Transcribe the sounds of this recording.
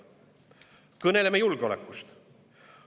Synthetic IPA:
kɤne̞le̞mejulɡ̥eolḛkːˑust̪

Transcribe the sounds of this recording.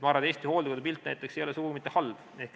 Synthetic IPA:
mɑːɾɑd̪eːsʲt̪iho̞ːld̪ikod̪epilt̪ːˑnæ̰jt̪ːˑeksejolesuɡ̥uɡmit̪ːehɑlb̥ehk

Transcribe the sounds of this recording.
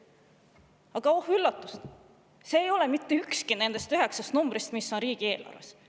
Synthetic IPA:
ɑɡ̥ɑo̞hylːɑt̪ːˑust̪ | se̞ːjo̞lemit̪ːeykskine̞nd̪̥e̞st̪yɦe̞ksɑst̪numb̥ɾist̪misːo̞nɾiːɡ̥ie̞ːlɑ̰rvḛs

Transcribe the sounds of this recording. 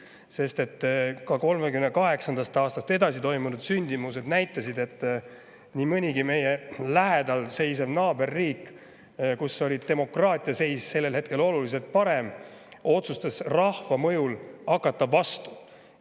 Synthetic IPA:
se̞st̪e̞t̪ːkɑko̞lmekymnekɑɦe̞ksɑnd̪ɑst̪ɑːst̪ɑst̪e̞d̪ɑsit̪o̞jmunud̪̥synʲd̪̥imus̬e̞d̪næjt̪ːˑɑsid̪e̞t̪ˑː | nimɤnʲiɡime̞jelæɦe̞d̪ɑlse̞jsemnɑːbe̞rːiːkː | kusːo̞lʲit̪e̞mo̞krɑːt̪ʲˑijɑse̞jsse̞lːe̞lhe̞t̪̚ke̞lo̞lulis̬e̞lt̪̚pɑɾe̞m | o̞t̪sust̪esrɑhvɑmɤjulɑkːɑt̪ːˑɑvɑst̪u̥

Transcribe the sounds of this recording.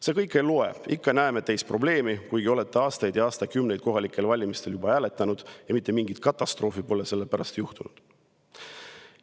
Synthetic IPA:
se̞kɤjkːˑe̞loe̞̰̥ikːɑnæemet̪ejspro̞ble̞ːmikujɡio̞le̞t̪ːˑe̞ɑːst̪ɑjd̪̥jɑɑːst̪ɑkymne̞jd̪̥ko̞ɦɑlikːˑe̞lvɑlʲimist̪e̞ljubɑæːle̞t̪ːˑɑnud̪̥jɑmit̪ːˑe̞miŋɡ̥it̪̚kɑt̪ˑːɑst̪ro̞ːfipo̞le̞se̞lːepæɾɑst̪juht̪unud̪̥

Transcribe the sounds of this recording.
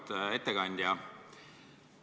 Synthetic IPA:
t̪et̪ːekɑnd̪jɑ

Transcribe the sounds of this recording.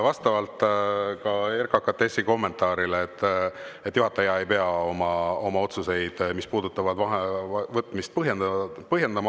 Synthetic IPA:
vɑst̪ɑvɑlt̪ˑkɑerkɑkɑt̪ːesiko̞mːe̞nt̪ˑɑːɾileːt̪ːˑet̪ːˑjuɦɑt̪ːˑɑjɑe̞jpe̞ɑo̞mɑo̞mɑo̞t̪suse̞jd̪̥mispuːd̪̥ut̪ːˑɑvɑd̪̥vɑɦevɤt̪ːˑmist̪̚pɤɦjend̪pɤɦje̞nd̪̥ɑmɑ

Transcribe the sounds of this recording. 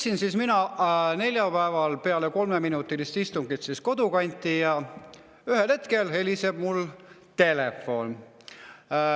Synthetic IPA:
sinsiːsminɑne̞lʲjɑpæevɑlpe̞ɑleko̞lmeminut̪ːˑilist̪ist̪uŋɡit̪sisko̞d̪̥ukɑnʲt̪ːˑijɑ | yhelhe̞t̪ke̞lhe̞liseb̥mul | t̪e̞lefːo̞n

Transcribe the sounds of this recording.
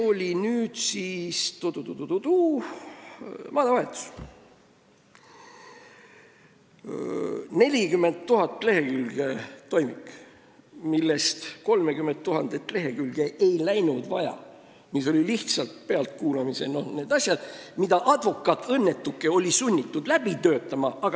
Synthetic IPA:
o̞lʲinyːd̪̥siːst̪od̪ut̪ut̪ud̪ut̪uː | mɑːd̪ɑvɑet̪ːˑu̥s | ne̞lʲikymːe̞nt̪̚t̪ːuɦɑt̪ːˑle̞ɦe̞kylɡ̥et̪o̞jmikː | milːe̞st̪ko̞lme̞kymːent̪̚t̪ːuɦɑnd̪et̪ˑle̞ɦe̞kylɡ̥e̞ʔejlæjnud̪̥vɑ̰jɑ̰ | miso̞lʲiliht̪sɑlt̪̚peɑlt̪̚kuːlɑmise̞̰no̞hne̞ːd̪̥ɑsʲjɑd̪̥mid̪ɑʔɑd̪̥vo̞kːˑɑt̪ːɤ̞nːe̞t̪ːˑukːe̞o̞lʲisunʲːit̪ːˑud̪̥læb̥it̪ø̞ːt̪ːˑɑmɑɑɡ̥

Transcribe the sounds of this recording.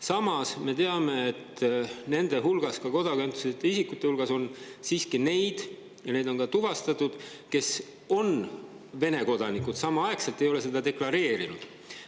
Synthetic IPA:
sɑmɑsme̞t̪e̞ɑme̞ːt̪ːne̞nd̪̥e̞ɦulɡ̥ɑskɑko̞d̪̥ɑkent̪ːˑu̥set̪ːˑeisikːˑut̪ːˑeulɡ̥ɑso̞nsiːskine̞jd̪̥ | jɑned̪o̞nkɑt̪uvɑst̪ɑt̪ːˑud̪̥ | ke̞s | o̞n | ve̞ne̞ko̞d̪̥ɑnikud̪̥sɑmɑɑe̞kselt̪ːˑe̞jo̞le̞se̞d̪ɑd̪e̞klɑɾe̞ːɾinud̪̥

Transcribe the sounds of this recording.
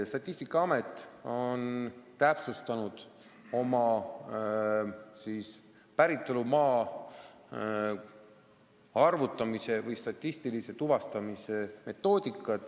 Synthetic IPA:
st̪ɑt̪ʲˑːisʲt̪ikːˑɑɑme̞t̪ːˑo̞nt̪æpsust̪ɑnud̪̥ | o̞mɑ | siːs | pæɾit̪ːˑo̞lumɑː | ɑrvut̪ːˑɑmise̞vɯjst̪ɑt̪ʲːist̪ilise̞t̪uvɑst̪ɑmise̞me̞t̪ːˑo̞ːd̪̥ikˑːɑt̪

